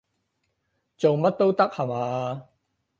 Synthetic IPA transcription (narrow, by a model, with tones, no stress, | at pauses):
t͡so˨wmɐ˥t̚t̪o˥wt̪ɐ˥k̚hɐ˨˧maː˨